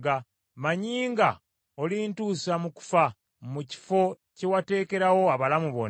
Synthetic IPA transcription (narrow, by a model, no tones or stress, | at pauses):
ɡa | maɲiːŋɡa | olintuːsamuku̥fa | muci̥fo̞ | ce̞wate̞ːke̞ɾawo̞aβalamuβo̰n